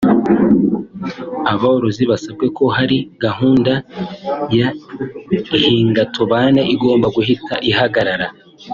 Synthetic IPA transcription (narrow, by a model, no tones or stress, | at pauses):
aβaoɾoziβasabɡe̞ko̞haɾiɡ̥aɦuːnda | ja | ihiːŋɡatʰoβane̞ʔiɡo̞ːmbaɡuhitaʔihaɡaɾaɾa